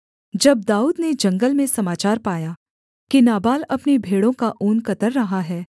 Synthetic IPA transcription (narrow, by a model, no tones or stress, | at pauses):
d͡ʒɐb̚d̪aːuːd̪ned͡ʒɐ̃ŋɡəlmẽsɐmaːt͡ʃaːɾpaːja | kinaːbaːlɐpnebʱeːɽõkaʔuːnkɐt̪əɾːɐɦaɦɛː